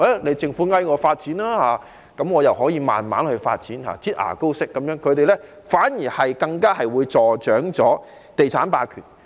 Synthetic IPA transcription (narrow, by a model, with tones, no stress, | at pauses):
a˨˥ne˨˧jt͡sɪ˧˩ŋfuː˨˥ŋɐ˥˧jŋɔː˨˧faː˧t̚t͡siː˨˥nlaː˥haː˨˧ | kɐ˨˥mŋɔː˨˧jɐ˨wɦɔː˨˥jiː˨˧ma̰ː˨nma̰ː˨˥nhɵ˧ɥfa̰ː˧t̚t͡siː˨˥nha̰ː˨˧t͡siː˥t̚ʔa̰ː˨˩ko˥wsɪ˥kːɐ˨˦mjœː˨˥ŋkʰɵ˨˧ɥt̪e˨jlɛ˥ | faː˨˥njiː˨˩hɐ˨jkɐ˧ŋkaː˥hɐ˨jwuː˨˧jt͡sɔː˨˩t͡ʃœː˨˥ŋt͡sɔː˨˥ | t̪e˨jt͡sʰaː˨˥npaː˧kʰyː˨˩n